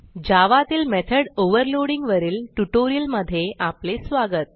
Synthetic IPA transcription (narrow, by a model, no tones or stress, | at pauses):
d͡ʑaʋat̪iːlmɛt̪ʰəɽoʋəɾloɽiŋɡʋəɾiːlʈuʈoɾijəlməd̪ʱːjeʔaplesʋaɡət̪̚